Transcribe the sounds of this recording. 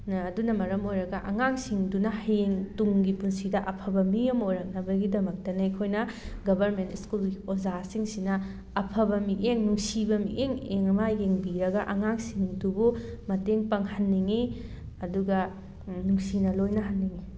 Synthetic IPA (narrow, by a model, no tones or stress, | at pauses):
dunɐmɐɾɐmojɾɐɡɐʔɐŋaŋsiŋdunɐhɐjeŋtuŋɡipunsidɐʔɐpʰɐbɐmijɐmojɾɐŋnɐbɐɡidɐmɐk̚tɐnɐjkʰojnɐɡɐbʱɐɾmentskulɡiozasiŋsinɐ | ɐpʰɐbɐmiʔeŋnuŋsibɐmḭʔeŋeŋɐmɐjeŋbiɾɐɡɐʔɐŋaŋsiŋdubumɐteŋpɐŋhɐnːiŋi | ɐduɡɐ | nuŋsinɐlojnɐɦɐnːiŋi